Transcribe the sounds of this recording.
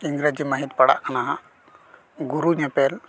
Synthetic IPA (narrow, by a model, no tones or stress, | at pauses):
iŋɡɾed͡ʒimaɦit̪̚paɽa̰ʔkanaɦaʔ | ɡuɾuɲɛpɛl